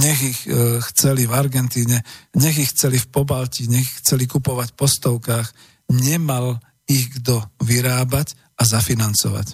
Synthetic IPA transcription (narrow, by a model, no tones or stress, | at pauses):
ɲɛɣixxt͡sɛlivaɾɡɛnt̪iːɲɛɲɛɣixːt͡sɛlifpɔbalciɲɛɣixt͡sɛlikupɔʋacpɔst̪ɔʊkaːx | ɲɛmal | iɣɡd̪ɔʋiɾaːbac | azafinant͡sɔ̰ʋa̰c